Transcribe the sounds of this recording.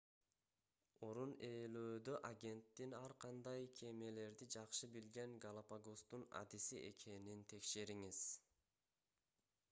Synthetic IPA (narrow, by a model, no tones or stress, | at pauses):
o̞ɾune̞ːløːd̪øʔaɡʲe̞nt̪ːinɑɾqʰɑnd̪ɑjkʲʰe̞me̞le̞ɾd̪id͡ʒɑqʃɯbilɡe̞ŋɡalˠapaɡost̪una̰d̪isiʔe̞̰kʰe̞nint̪ʰe̞kʃe̞ɾiŋiz̥